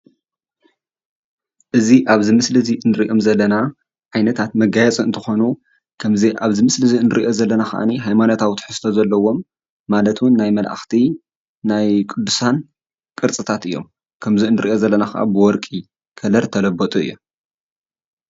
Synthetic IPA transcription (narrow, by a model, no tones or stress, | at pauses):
ʔɨziʔaβzɨmɨslɨziʔɨnɨɾiʔo̞mzɐlːɐna | ʕajnɐt̪ʰat̪mɐɡajɛt͡sʼɐɨnt̪ʰɨxo̞nu | kʰɐmziʔa̰βzɨmɨslɨziɨnɨɾiʔo̞zɐlːɐnaxɐ̰ʔa̰niɦajmanot̪ʰawit̪ʰħɨsɨ̥t̪ʰzɐlːɐwo̞mː | alɐt̪wʊnːajmɐlʔa̰xt̪ʰi | najkʼɨd̪ːusan | kʼɨɾt͡sʼɨt̪ʰat̪ʔɨjːo̞̰m | kʰɐmziɨnɨɾʔiʔozɐlːɐnaxɐʔa̰bɨwɔɾkʼi | kʰɐlɐɾt̪ʰɐlɐbːot̪ʼuɨ̰jːu